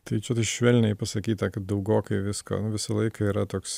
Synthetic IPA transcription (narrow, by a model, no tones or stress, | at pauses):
t̪ɐɪt͡ʃʲɛt̪ɐɪʃʲʋʲɛlʲnʲɛɪpɐsɐkʲiːt̪ɐkɐt̪̚d̪ɐʊɡoːkɐɪʋʲɪsko̰ːnʊʋʲɪsɐlˠɐɪkɐiːɾɐt̪oːks